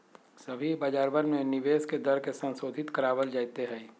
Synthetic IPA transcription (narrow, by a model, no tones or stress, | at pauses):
səbʱibaːd͡ʒaːɾbənmẽnɪʋeːsked̪ɐɾkesə̃nsoːd̪ʱɪt̪kəɾaːʋəld͡ʒaːjt̪eɦɛː